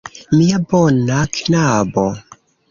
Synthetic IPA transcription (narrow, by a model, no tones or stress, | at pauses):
miabonaknabo